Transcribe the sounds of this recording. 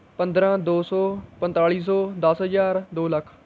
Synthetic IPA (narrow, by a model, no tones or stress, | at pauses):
pənd̪ɾãːd̪oːsɔːpənt̪aːɭiːs̬ɔːd̪əsɦəzaːɾd̪oːləkʰ